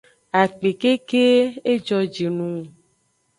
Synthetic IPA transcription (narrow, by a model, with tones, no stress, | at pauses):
a˨k͡pe˨ke˦ke˦e˦d͡ʒɔ˦d͡ʒi˨nũ˨˦˨